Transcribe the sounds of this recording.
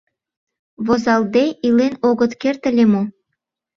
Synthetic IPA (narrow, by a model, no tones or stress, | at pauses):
βozɑld̪eilenoɣət̪kert̪ə̆lʲemo